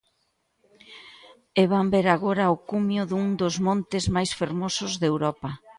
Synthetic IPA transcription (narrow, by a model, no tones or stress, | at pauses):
eβambeɾaɣoɾɐʊkumjʊðuŋd̪ʊzmõnt̪ɪzmajsfeɾmosʊzðewɾɔpɐ